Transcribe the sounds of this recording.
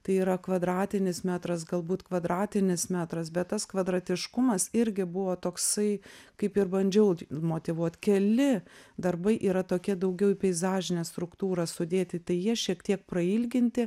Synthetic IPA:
t̪ɐɪiːɾɐkʋɐd̪ɾɑːt̪ʲɪnʲɪsmʲæːt̪ɾɐsɡɐlˠbuːt̪kʋɐd̪ɾɑːt̪ʲɪnʲɪsmʲæːt̪ɾɐsbʲɛt̪t̪ːɐskʋɐd̪ɾɐt̪ʲɪʃkʊmɐsɪɾʲɡʲɪbʊʋoːt̪oːksɐɪkɐɪpɪrbɐnʲd͡ʒʲɛʊmoːt̪ʲɪʋuɔt̪ʲkʲɛlʲɪd̪ɐrbɐɪʔiːɾɐt̪oːkʲɛd̪ɐʊɡʲɛʊipʲɛɪzɑːʒʲɪnʲeːst̪ɾʊkt̪uːɾɐsʊd̪ʲeːt̪ʲɪt̪ɐɪjiɛʃʲiɛkt̪ʲiɛk̚pɾɐiːlʲɡʲɪnʲt̪ʲɪ

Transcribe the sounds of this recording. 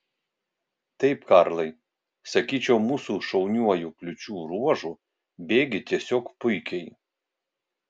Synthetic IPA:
t̪ɐɪpkɐɾlˠɐɪ | sɐkʲiːt͡ʃʲɛʊmuːsuːʃɔʊnʲuɔjuklʲʊt͡ʃʲuːɾuɔʒu | bʲeːɡʲɪt̪ʲiɛsʲoːkpʊɪkʲɛɪ

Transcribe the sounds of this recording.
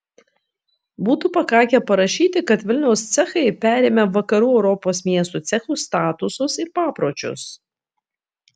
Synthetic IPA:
buːt̪upɐkɑːkʲɛpɐɾɐʃʲiːt̪ʲɪkɐt̪ʋʲɪlʲnʲɛʊst̪sʲɛxɐɪpʲæːɾʲeːmʲɛʋɐkɐɾuːɛʊɾɔpoːsmʲiɛst̪uːt̪sʲɛxuːˑst̪ɑːt̪ʊsʊsɪɾpɑːpɾoːt͡ʃʲʊ̰s

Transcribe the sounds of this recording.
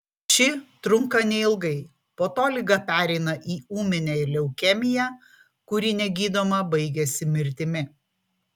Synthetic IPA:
ʃʲɪt̪ɾʊŋkɐnʲɛɪlˠɡɐɪ | poːt̪oːlʲɪɡɐpʲæːɾʲɛɪnɐʔiːuːmʲɪnʲɛɪlʲɛʊkʲɛmʲɪjæː | kʊɾʲiːnʲɛɡʲiːd̪oːmɐbɐɪɡʲɛsʲɪmʲɪɾʲt̪ʲɪmʲɪ

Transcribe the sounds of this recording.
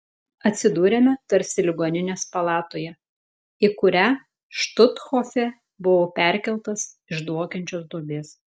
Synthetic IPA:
ɐt̪ʲsʲɪd̪uːɾʲemʲɛt̪ɐɾʲsʲɪlʲɪɡoːnʲɪnʲeːspɐlˠɑːt̪oːjɛ | ɪkʊɾʲæ | ʃt̪ʊt̪xoːfʲɛ | bʊʋoːpʲæˑɾʲkʲɛlˠt̪ɐs | ɪʒd̪ɔkʲɛnʲt͡ʃʲoːsd̪uɔbʲeːs

